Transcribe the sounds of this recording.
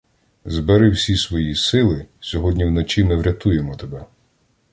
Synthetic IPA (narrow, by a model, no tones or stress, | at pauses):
zbeɾɪwsʲisʋɔjisɪlˠɪsʲɔɦɔdʲnʲiwnɔt͡ʃimɪwɾʲɐt̪ujemɔt̪ebɛ